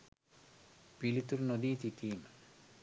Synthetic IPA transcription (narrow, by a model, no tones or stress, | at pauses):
pilit̪uɾnod̪iːt̪iʈiːmə